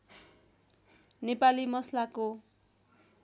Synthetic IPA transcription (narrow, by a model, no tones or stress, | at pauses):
nepalimʌslako